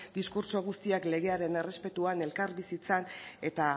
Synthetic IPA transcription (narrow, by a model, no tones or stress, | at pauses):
d̪iskuɾso̞ɣ̞ust̪iakle̞ɣ̞e̞aɾe̞ne̞re̞spe̞t̪uane̞lkaɾbisit͡sane̞t̪a